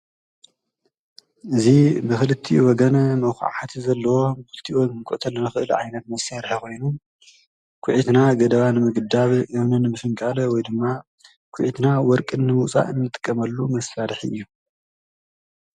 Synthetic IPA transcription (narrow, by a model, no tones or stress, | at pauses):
ʔɨzibɨxɨlɨt̪ʰːiwɔɡɐnɐmɐwxɨ̰ʕat̪ʰzɐlːɐwo̞mxɨlɨt̪ʰiwɔkɨŋkʼʊ̰ʔt̪ʰɐlːɐnɨxɨʔɨlʕa̰jnɐt̪mɐsaɾħikʰo̞jnu | kʷʰʊʕit̪naɡɐd̪ɐβanɨmɨɡɨd̪aβʔɨβnɨnːɨmɨfɨŋkʼalɐwɔjd̪ɨmːa | kʷʰʊʕit̪nawɔɾkʼɨnːɨmut͡sʼa̰ʔɨnːɨt̪ʼɨ̥kʼːɐmɐlːumɐsːaɾħiɨ̰jːu